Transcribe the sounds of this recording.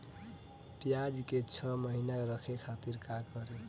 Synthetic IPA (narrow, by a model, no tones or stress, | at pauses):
pjad͡zket͡sʰʌmʌɦinaɾʌkʰekʰat̪iɾkakʌɾe